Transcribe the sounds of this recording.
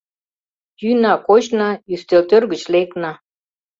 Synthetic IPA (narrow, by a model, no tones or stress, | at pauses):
jynɑkot͡ɕnɑyst̪elt̪ørɡət͡ɕleknɑ